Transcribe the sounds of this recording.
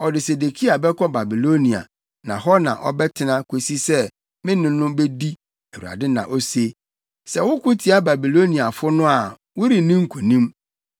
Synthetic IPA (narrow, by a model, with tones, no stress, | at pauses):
ɔ˨dɪ˨se˨de˨kʰi˦a˨bɛ˦kʰɔ˦ba˨bi˨lo˦nĩ˨a̰˨ | nã̰˨ɦɔ˦nã̰˨ʔɔ̰˨bɛ˦tʰɪ˨nã˦kʰe˨si˦sɛ˦ | mɪ̃˦nɪ̃˦nʊ̃˦be˦di˦ | ɛ˨wṵ˨a̰˨dɪ˦nã̰˨ʔo˦se˦ | sɛ˦wʊ˦kʊ˦tʰi˨a˦ba˨bi˨lo˦nĩ˨a˨fʊ˦nʊ̃˦a˨ | wʊ˦ɾi˨nĩ˦ŋ̩˦˨kʰu˨nĩ˦m